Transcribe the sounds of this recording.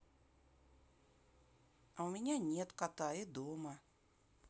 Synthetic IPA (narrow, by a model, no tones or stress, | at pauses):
aʊmʲɪnʲanʲet̪kat̪ajɪd̪omə